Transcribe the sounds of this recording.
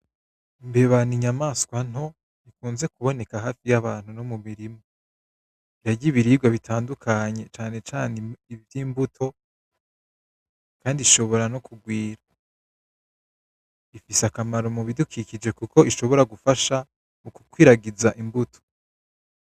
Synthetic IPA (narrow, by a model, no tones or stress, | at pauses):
imbeβaniɲamaːskwan̥ho̞ | ikuːnze̞kuβo̞ne̞kaɦaːfijaβaːn̥hunomumiɾimo | jaɟiβiɾiːɡwaβitʰaːndukʰaɲe̞t͡ʃaːne̞t͡ʃaːneivjiːmbutʰo̞ | kaːndiʃo̞βo̞ɾano̞kuɡwiːɾa | ifisakamaɾomuβidukikid͡ʒe̞kuko̞iʃo̞βo̞ɾaɡufaʃa | muku̥kwiːɾaɡizaʔimbutʰo̥